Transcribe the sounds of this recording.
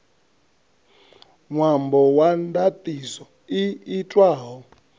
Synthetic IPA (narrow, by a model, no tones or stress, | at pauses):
ŋwambɔwandatʼisɔ | iːtʼwaːɦɔ